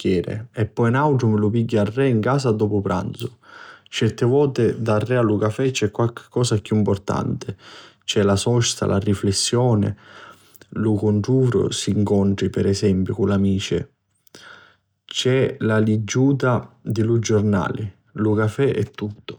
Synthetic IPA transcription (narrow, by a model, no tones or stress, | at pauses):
kjɛːɾḛɛpːɔjnawʈ̪ɾʊmɪlupiɡːarːɛiŋkaːsad̪ɔːpʊpɾa̰nt̪sʊ̥t͡ʃɛrt̪ɪvɔːt̪ɪd̪arːɛalukafɛt͡ʃːɛkːwalk̟ʰɪ̥kːɔːsakːjuimpɔrt̪a̰nt̪ɪ | t͡ʃɛlasɔst̪a̰lʔa̰riflesːjɔːnɪ̰ | lukoɳʈuːfɾʊ̰siːŋkɔɳʈ̪ɾipɛɾɛsɛmpjʊkunlːamiːt͡ʃɪ̰ | t͡ʃɛlalid͡ʒːuːt̪̬ad̪ilud͡ʒːorna̰ːli | lukafɛʔɛt̪ːut̪ːʊ̥